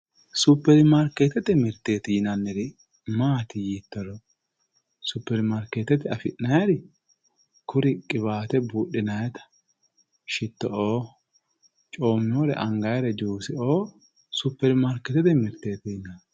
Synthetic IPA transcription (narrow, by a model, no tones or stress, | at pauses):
sʊpːɛɾɪmɐɾkːet̪ːɛt̪ɛmɪɾt̪ːeːt̪ɪnɐnːɛɾɪ | maːt̪ɪjiːt̪ːɔɾɔ | sʊpːɛɾɪmɐɾkːeːt̪ːɛt̪ɪɐfɪʔnɐjɛɾɪ | kʰʊɾɪkʼɪβaːt̪ɛbuːɗːɪnɐjɛt̪ɐ̥ | ʃɪt̪ːɔʔoː | t͡ʃʼo̞ːmːɪoːɾɛ̰ʔɐŋɡɐjɾɛd͡ʒuːsɪoː | sʊpːɛɾɪmɐɾkːɛt̪ɛt̪ɛmɪɾt̪eːt̪ɪnɐn